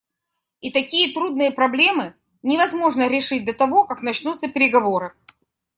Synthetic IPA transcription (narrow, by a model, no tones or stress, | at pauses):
it̪ɐkʲijət̪ɾud̪nɨjəpɾɐblʲe̞mɨ | nʲɪvɐzmo̞ʐnəɾʲɪʂɨt̚ʲd̪ɐt̪ɐvo̞kaknɐt͡ɕnut̪sːəpʲɪɾʲɪɡɐvo̞ɾɨ